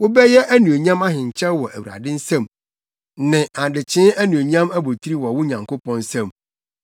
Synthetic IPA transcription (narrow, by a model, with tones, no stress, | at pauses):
wʊ˦bɛ˦jɛ˦ʔæ˦nũ˨o˨ɲã˦ma˦ɦɪ̃˨ɲ˨t͡ɕʰɛ˦wɔ˨ʔæ˨ɥu˨ɾa̰˨dɪ̃˦n̩˦sã˦˨m | nɪ̃˨a˨dɪ˨t͡ɕʰɪ̃˦æ˦nũ˨o˨ɲã˦mæ˦bo˨tʰi˦ɾi˦wɔ˨wʊ˦ɲã˨ŋko˦pʰɔ̃˦n˦sã˦˨m